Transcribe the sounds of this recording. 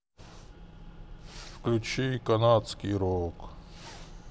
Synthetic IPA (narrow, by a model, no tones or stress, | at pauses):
fklʲut͡ʃikɐnat̪skʲiɾok